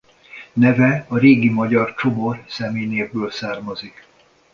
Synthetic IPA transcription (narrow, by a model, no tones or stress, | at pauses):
nɛvɛɒɾeːɡimɒɟɒrt͡ʃomorsɛmeːneːvbøːlsaːrmɒzik